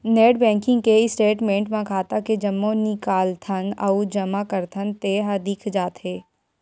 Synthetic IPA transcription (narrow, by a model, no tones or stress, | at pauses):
neːɖbɛ̃ːŋkɪ̃ŋɡkeɪsʈeːʈmẽːɳʈmãkʰaːt̪aked͡ʒɐmːõnɪkaːlt̪ʰənɐʊd͡ʒɐmakɐɾt̪ʰənt̪eːɦad̪ɪkʰd͡ʒaːt̪ɦeː